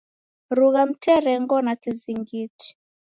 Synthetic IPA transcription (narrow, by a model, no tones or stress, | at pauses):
ɾuɣam̩tɛɾɛŋɡɔnakiziŋɡiti̥